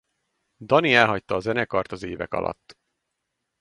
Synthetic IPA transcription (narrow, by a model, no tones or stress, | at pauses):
d̪ɒniɛlɦɒct̪ɒːzɛnɛkɒrt̪ɒzeːvɛkɒ̰lʔɒ̰t̪ː